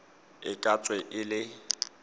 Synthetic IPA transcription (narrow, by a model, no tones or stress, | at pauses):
ɪkʼat͡sʼwɛʔɪlɪ